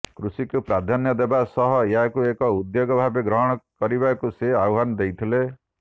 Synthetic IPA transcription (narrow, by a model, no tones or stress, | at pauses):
kɾusikupɾad̪ʱanjɔd̪ebasɔɦɔjakuekɔud̪joɡɔbʱabeɡɾɔɦɔɽ̃ɔkɔɾibakuseauɦanɔd̪ejt̪ʰile